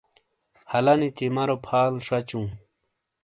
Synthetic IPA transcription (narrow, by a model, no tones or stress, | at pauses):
hɐlɐnit͡ɕimɐɾopʰaːlʂɐt͡ɕũː